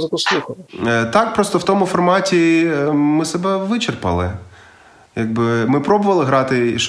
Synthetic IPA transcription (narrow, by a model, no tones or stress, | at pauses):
zkʊslˠuxɐt̪ɑk̚pɾɔst̪ɔwt̪ɔmʊfɔrmɑtʲi | mɪsɛbɛʋɪt͡ʃerpɐ̰lˠɪ̰ | jɐɡ̚bɪmɪpɾɔbʊʋɐlˠɪɦɾɑt̪ɪiʃ